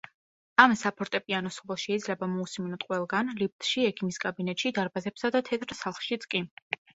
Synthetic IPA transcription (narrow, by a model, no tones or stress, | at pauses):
amsapʰɔɾt̪ʼɛpʼianɔsɔvɔʃɛid̪zlɛbamɔusminɔt̪qʼwɛlˠɡanlip̚t̪ʼʃiɛkʰimiskʼabinɛt̪ʼʃid̪aɾbazɛpsad̪at̪ʰɛt̪ʰʼɾsalˠχʃit̪sʼkʼi